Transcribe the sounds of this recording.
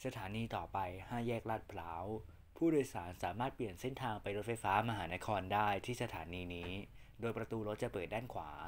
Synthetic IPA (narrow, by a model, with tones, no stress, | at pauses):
sa˧t̪ʰaː˩˦niː˧t̪ɔː˨˩pa˧jhaː˥˩jɛː˥˩k̚la˦˥˩t̪̚pʰlaː˦˥w | pʰuː˥˩doː˧jsaː˩˦nsaː˩˦maː˥˩t̪̚pli˨˩ənse˥˩nt̪ʰaː˧ŋpa˧jɾo˦˥t̪̚fa˧jfaː˦˥ma˧ɦaː˩˦na˦˥kʰɔː˧ndaː˥˩jt̪ʰiː˥˩sa˧t̪ʰaː˩˦niː˧niː˦˥doː˧jpɾa˧t̪uː˧ɾo˦˥t̪̚t͡ɕa˨˩pɤː˨˩t̪̚da˥˩nkʰwa̰ː˩˦